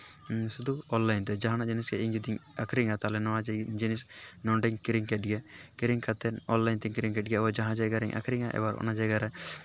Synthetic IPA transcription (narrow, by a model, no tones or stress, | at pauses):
sud̪uɔnlajnt̪ɛd͡ʒaɦanad͡ʒiniskɛiɲd͡ʒud̪iŋakʰɾiŋat̪alɛnɔad͡ʒd͡ʒinisnɔɳɖɛŋkiɾiŋkɛʈɡɛkiɾiŋkat̪ɛnɔnlajnt̪ɛŋkiɾiŋkɛʈ̚ɡɛbad͡ʒaɦãd͡ʒajɡaɾɛŋʔa̰kʰɾiŋaʔɛ̰baɾɔ̰nad͡ʒajɡaɾɛ